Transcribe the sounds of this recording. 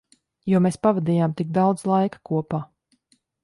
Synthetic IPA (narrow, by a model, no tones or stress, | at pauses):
juɔmeːspavad̪iːjaːmt̪iɡ̚d̪awd̪zlˠajkḁkuɔpaː